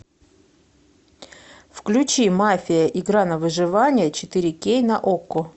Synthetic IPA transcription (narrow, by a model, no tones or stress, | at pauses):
fklʲʉt͡ɕimafʲɪjəʔɪɡɾanəvɨʐɨvanʲɪjət͡ɕɪt̪ɨɾʲɪkʲejnɐʔokːʊ